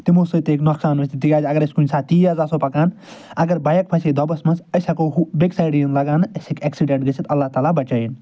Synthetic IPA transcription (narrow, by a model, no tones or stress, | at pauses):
t̪imusɨt̪eːknɔksaːnʋɐsʲt̪it̪iɡaːd͡ʒʲɐɡɐɾɐskunʲsaːt̪iːɐzaːsopɐkaːn | ɐɡɐɾbɐjɐk̚pʰɐsid̪ɔbɐsmɐnsɐjsakoɦubeksajɖinlɐɡaːnɐsikɛksiɖẽɳʈɡɐsʰit̪ɐlːaːht̪aːlabɐt͡ʃaːin